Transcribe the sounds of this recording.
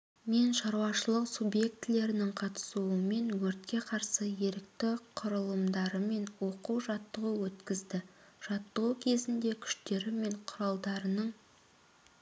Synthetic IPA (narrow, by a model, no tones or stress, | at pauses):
me̞nʃɑɾwɑʃəlˠəqsubje̞k̚t̪ɪle̞ɾɪnɪŋqʰɑt̪ə̥suəme̞nwɵɾt̪kʲe̞qʰɑɾsəje̞ɾɪkt̪ɪqʰʊɾəlˠəmd̪ɑɾəme̞nwo̞quwʒɑt̪ːəʁəwɵt̪kʲɪzd̪ɪ | ʒ̥ɑt̪ːəʁukʲʰe̞zɪnd̪e̞kʲʰʏ̥ʃt̪e̞ɾɪme̞ɴqʰʊɾɑlˠd̪ɑɾənəɴ